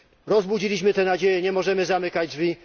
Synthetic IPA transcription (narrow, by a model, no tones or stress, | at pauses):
ɾɔzbud͡ʑilʲiɕmɘt̪ɛnad͡ʑejɛɲɛmɔʐɛmɘzamɘkad͡ʑd͡ʐvʲi